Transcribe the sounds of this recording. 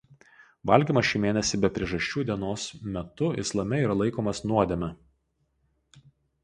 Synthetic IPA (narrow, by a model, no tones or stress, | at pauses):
ʋɐlʲɡʲimɐʃʲiːmʲeːnʲɛsʲɪbʲɛpʲɾʲiɛʒɐʃʲt͡ʃʲuːd̪ʲiɛnoːsmʲɛt̪ʊɪ̰slˠɐmʲɛiːɾɐlˠɐɪkoːmɐsnuɔd̪ʲemʲɛ